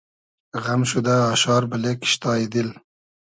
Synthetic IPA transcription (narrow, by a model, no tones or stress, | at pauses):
ʁamʃud̪aːʃɑːɾbɪlekʰɪ̥ʃt̪ɑːjid̪il